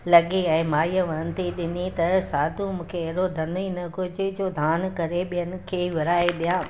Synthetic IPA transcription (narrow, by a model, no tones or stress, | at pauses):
lɐɠeɛ̃ːmaːijəʋɐnənɪ̆t̪ʰiɗɪnit̪ɐsaːd̪ʱũmũːkʰeɛɦɽod̪ʱɐninɐɡod͡ʑed͡ʑoːd̪ʱaːnkɐɾeɓijənɪ̆kʰeːʋɪɾaːeɗijã